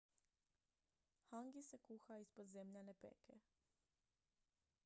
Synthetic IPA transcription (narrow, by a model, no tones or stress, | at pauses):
haŋɡise̞kuxaispod̪zemʎanepḛke